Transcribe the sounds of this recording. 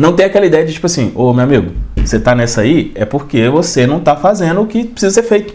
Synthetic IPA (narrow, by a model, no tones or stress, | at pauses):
nɐ̃w̃t̪ẽj̃akɛlɐid̪ɛjɐd͡ʒɪt͡ʃi̥pʊasĩomewamiɡʊset̪anɛsɐiɛpoɾkevosenɐ̃w̃t̪afazẽnd̪ʊːkɪpɾɪ̥sizɐseɾfejt̪ʊ̥